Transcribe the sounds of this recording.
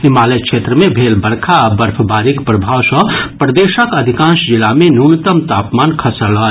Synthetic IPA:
himalejkt͡ʃʰet̪ɾəmebʱelbəɾkʰaːbəɾpʰəbaɾikpɾəbʱawsə̃pɾəd̪esəkəd̪ʱikãsd͡ʒilamenunit̪əmt̪apmankʰəsələː

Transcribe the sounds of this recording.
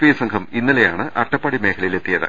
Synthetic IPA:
ʋiːsɐŋkʰɐminːɐlejaːɳɨʔɐʈːɐpːaːɽime̞ːkʰɐlɐjile̞t̪ːijɐðɨ̰

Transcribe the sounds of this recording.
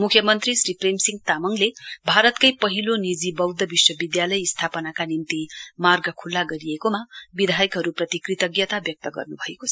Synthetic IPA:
mukʰjʌmʌnt̪risripremsiŋɡt̪amʌŋlebʱaɾʌt̪kʌjpʌɦilonid͡zibʌwd̪ʱːʌbiswʌbid̪jalʌjst̪ʰapʌnakanint̪imarɡʌkʰulːaɡʌɾiekomabid̪ʱajʌkɦʌɾuprʌt̪ikrit̪ʌɡjʌt̪abjʌk̚t̪ʌɡʌ̰rnubʱʌekot͡sʰʌ̥

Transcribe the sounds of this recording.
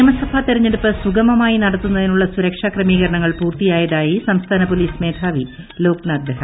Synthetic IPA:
ɐmɐsɐbʰʱat̪iɾɐɲːe̞ɽupːɨsuɡɐmɐmaːjinɐɽɐt̪ːunːɐðinuɭːɐsuɾɐkʂaːkrɐmiːɣɐɾɐɳɐŋːɐɭpuːrt̪ijaːjɐðaːjisɐmst̪ʰaːnɐpo̞liːsme̞ːd̪ʱaːʋi | lo̞ːknaɡ̪ɾɐɦɐ

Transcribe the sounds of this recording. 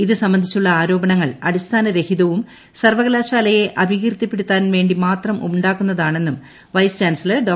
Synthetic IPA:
iðɨsɐmbɐnd̪ʱit͡ɕːuɭːɐaːɾo̞ːbɐɳɐŋːɐɭɐɽist̪ʰaːnɐɾe̞hiðɐʋum | sɐrʋɐɣlaːɕaːlɐje̞ʔɐbʱiɣirt̪ipːeɽut̪ːaːnʋe̞ːɳɖimaːt̪rɐmʔumɖaːkːunːɐðaːɳe̞nːum | ʋɐjst͡ɕaːnsɐlɐrɖoː

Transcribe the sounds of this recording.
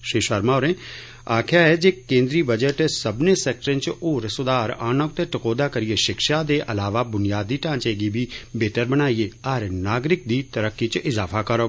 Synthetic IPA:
ʃiːʃəɾmaːoɾẽː | aːkʰjaːɦɛːd͡ʒeːkẽːnd̪ɾiːbəd͡ʒəʈsəbneːsɛːk̚ʈəɾə̃nt͡ʃoːɾsʊd̪aːɾaːnək̚t̪eːʈəkoːd̪aːkəɾɪjeːʃɪkʃaːd̪eːʔəlaːʋaːbʊnijaːd̪iːʈãːnt͡ʃeːɡiːbiːbeːʈəɾbənaːiːeːəɾnaːɡɾɪk̚d̪iːt̪əɾəkːiːt͡ʃʔɪzaːfʰaːkəɾoː

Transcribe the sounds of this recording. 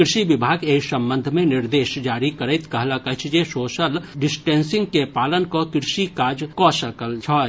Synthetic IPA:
kɾɪʃiʋɪbʱaːɡeisɐ̃mbə̃nd̪ʱmẽnɪɾd̪eːʃd͡ʒaːɾikɐɾəɪt̪kɐɦlakɐt͡ʃʰd͡ʒesoːʃəlɖɪsʈeːnsɪ̃ŋɡkepaːlənkokɾʃikaːd͡ʒkɔːʃɐkəld͡ʒʰɔː

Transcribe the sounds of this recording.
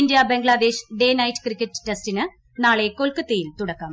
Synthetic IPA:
indijɐbeŋɡɭɐd̪e̞ːɕɖe̞ːnɐjtːɨ̥krikʲːɐtːɨ̥tːestinɨ | naːɭe̞ko̞lkɐt̪ːejilt̪uɽɐkːɐm

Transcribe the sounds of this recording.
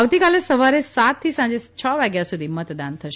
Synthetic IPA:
aʋt̪ikalesəʋaɾesat̪ʰːisãɲd͡ʒet͡ʃʰəʋaɡjasud̪ʱimət̪d̪ant̪ʰəʃe

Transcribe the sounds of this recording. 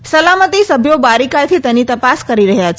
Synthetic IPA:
səlamət̪isəbʱjobaɾikajt̪ʰit̪enit̪əpaskəɾiɾəɦjat͡ʃʰ

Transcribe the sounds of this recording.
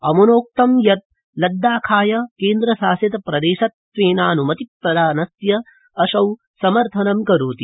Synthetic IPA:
ɐmunoːk̚t̪ɐmjɐt̪̚ | lɐd̪ːaːkʰaːjɐkeːnd̪ɾɐsaːsjɐt̪ɐpɾɐd̪eːʃɐt̪ | ʋeːnaːnumɐt̪iɾɐd̪aːnɐsjɐ | ɐʃɐw | sɐmɐɾt̪ʰɐnɐmkɐɾuːt̪i

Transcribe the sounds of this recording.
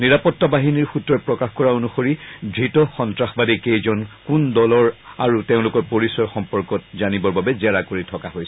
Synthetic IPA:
niɹapɔtːabaɦiniɹxutɹɔpɹɔkaxkɔɹaonuxoɹidʱɹitɔxɔntɹaxbadikejzɔnkundɔlɔɹaɹuteʊ̃lʊkɔɹpoɹisɔɹxɔmpɔɹkɔt̚zanibɔɹbabɛzɛɹakoɹitʰɔkaɦojsɛ

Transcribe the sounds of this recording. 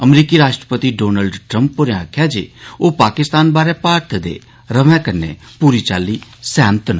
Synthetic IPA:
əmɾiːkiːɾaːʃʈɾəpət̪iːɖoːnəlɖʈɾəmpːoɾeãakʰːjaːd͡ʒḛːoːpaːkɪst̪aːnbaːɾɛːpaːɾt̪d̪ḛː | ɾəʋɛ̃ːkəɾnḛː | puːɾiːt͡ʃaːlːiːsɛːnt̪na

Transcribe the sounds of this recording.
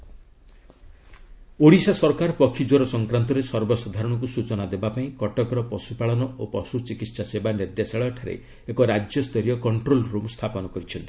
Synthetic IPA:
oɽisasɔɾkaɾɔpɔkʰid͡ʒoɾɔsɔŋkɾant̪ɔɾesɔɾbɔsɔd̪ʱaɾɔɽ̃ɔ̃ŋkusut͡ʃɔnad̪ebapaĩkɔʈɔkɾɔpɔsupaɭɔnɔopɔsut͡ʃikit̪sasebaniɾd̪jasaɭɔʈʰaɾḛ | ekɔɾad͡ʒjɔst̪ʰɔɾijɔkɔɳʈɾolɾomst̪ʰapɔnɔkɔɾit͡ʃʰɔnt̪i̥

